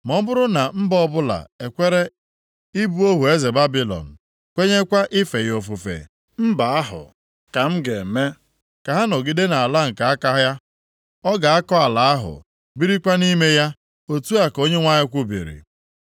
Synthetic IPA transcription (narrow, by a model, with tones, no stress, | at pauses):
mɔ˦bʊ˦ɾʊ˦na˨m̩˦bɔ˦bʊ˦la̰˨e˨kʷe˦ɾe˦ | i˦bu˦o˦ɦu˨e˦ze˨ba˦bi˨lɔ̰˨n̩˨ | kʷe˦ɲe˦kʷa˦ʔɪ˦fe˨jo˨fu˨fḛ˨ | m̩˦ba˨a˦ɦʊ̰˨ | ka˨m̩˦ɡe˨me˦ | ka˨ɦa˦no˨ɡi˦de˦na˨a˨la˦ŋ̩˨ka˨a˦ka˦ɦja˦ | ɔ˦ɡa˨a˦kɔ˦a˨la˨a˦ɦʊ̰˨ | bi˦ɾi˦kʷa˦ni˦me˦ja˦ | o˦tu˦a˦ko˦ɲe˦ŋʷa˦ɲɪ˦kʷʊ˦bḭ˨ɾḭ˨